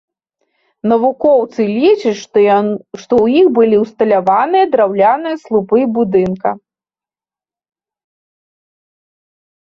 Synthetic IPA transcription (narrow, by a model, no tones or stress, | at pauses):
nɐvukɔwt̪sɨlʲit͡ʂɐt͡sʲ | ʂt̪ɔwjixbɨlʲiwst̪ɐlʲavanɨjɐd̪ɾawlʲanɨjɐslˠupɨbud̪ɨnkɐ